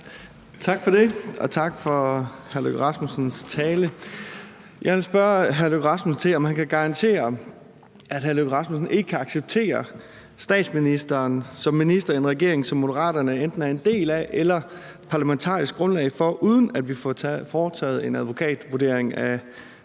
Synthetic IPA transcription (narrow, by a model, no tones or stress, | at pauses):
t͡sʰɑ̈ɡ̥fɒde̝ʔɒ̽t͡sʰɑ̈ɡ̥fɒ̽hæɐløɡ̥ʁɑ̈smusn̩st͡sʰɛːlə | jʔɑ̈ɪʋelsb̥ɶɐɦæɐløɡʁɑ̈smusn̩t͡sʰe̝lɒ̽mhænkʰæɡ̥ɑ̈ʁɑ̈nt͡sʰe̝̰ːɐ | æd̥ɦæɐløɡʁɑ̈smusn̩e̝ɡ̥əkʰæɑ̈ɡ̥seb̥̚t͡sʰe̝̰ːɐ | sd̥ɛ̰ːd̥sminisd̥ɐːnsɒ̽mːinisd̥ɐienʁaɡ̥e̝ɐ̰e̝ŋsɒ̽mːo̝dəʁɑ̰̈ːd̥ɐnəend̥n̩æɐe̝nd̥e̝̰ːlæʔelɐ | pʰɑ̈læment͡sʰɑ̰̈ːisɡ̥ɡ̥ʁɔ̽nlɛ̰ɪfɒ̽ʔuːð̞ˠən̩æd̥ʋifɒːt͡sʰɛ̰ːð̞̩ˠe̝næðˠʋo̝kʰɛ̰ːd̥ʋuɐd̥e̝̰ɐ̰eŋæ